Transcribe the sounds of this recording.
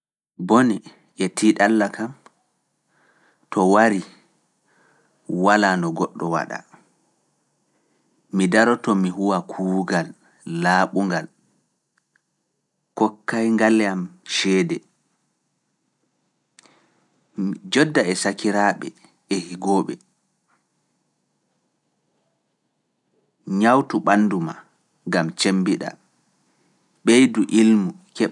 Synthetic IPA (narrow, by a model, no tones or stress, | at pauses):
boni | ʔɛtʰiːɗalːakam | tɔwaɾi | walanɔɡɔɗːɔwa̰ɗa̰ | midaɾɔtɔmiɦuwakʰuːɡalː | aːɓuŋɡal | kɔkːajŋɡalɛamʃɛːdɛ | d͡ʒɔdːaɛsakiɾaːɓɛ̰ | ɛhiɡɔːɓɛ̰ | ɲawtuɓanːduma | ɡamt͡ʃembiɗa̰ | ɓejduʔilmu | kɛ